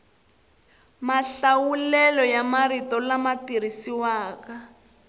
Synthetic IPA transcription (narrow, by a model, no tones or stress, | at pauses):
maɬawulɛlɔjamaɾitɔlamatiɾ̤isiwaːka